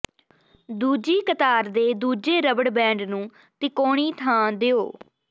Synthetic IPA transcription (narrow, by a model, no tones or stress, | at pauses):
d̪uːd͡ʒiːkət̪aːɾd̪eːd̪uːd͡ʒeːɾəbəɽbɛ̃ːɳɖnũː | t̪ɪkoːɽ̃iːt̪ʰãːd̪ɪoː